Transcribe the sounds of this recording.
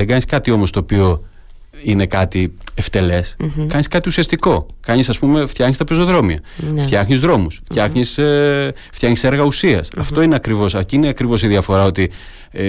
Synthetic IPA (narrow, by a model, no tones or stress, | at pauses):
eɡɐɲiskɐt̪io̞mo̞st̪o̞ːpio̞ | ine̞kɐt̪ie̞ft̪e̞le̞skɐɲiskɐt̪iusiɐst̪iko̞kɐɲisɐspume̞ft̪çɐxɲist̪ɐpeso̞ðɾo̞miɐ̰ft̪çɐxɲizðɾo̞musft̪çɐxɲis | ft̪jɐxɲise̞ɾɣɐusiɐsɐft̪o̞ineɐkɾivo̞sɐciineɐkɾivo̞siðiɐfo̞ɾɐo̞t̪i